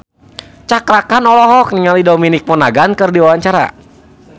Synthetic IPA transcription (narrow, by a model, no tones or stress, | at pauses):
t͡ʃakɾakanɔlɔɦɔk̚niŋalidominik̚mɔnaɡankɨrdiwawaɲt͡ʃaɾa̰